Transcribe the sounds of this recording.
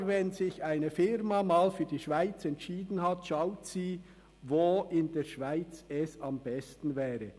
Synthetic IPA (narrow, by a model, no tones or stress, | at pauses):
vɛnzɪçaɪnəfɪɾmamaːlfyːɐdiːʃv̥aɪt͡sɛntʃiːdn̩hɑtʃaʊtsiː | voːʔɪndeːɾʃvaɪt͡sɛsɑmbɛstn̩vɛːɾə